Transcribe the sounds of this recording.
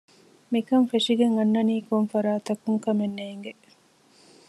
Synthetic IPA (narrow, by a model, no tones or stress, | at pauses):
mikɐmfeʂiɡeŋɐnːɐniːkonfɐɾaːt̪ɐkuŋkɐmenːeːŋɡe